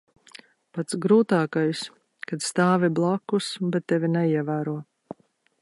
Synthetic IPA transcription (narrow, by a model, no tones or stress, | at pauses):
pat̪sɡɾuːt̪aːkajs | kad̪st̪aːviblˠakːusbɛt̪ːɛvʲinɛiɛvæːɾuɔ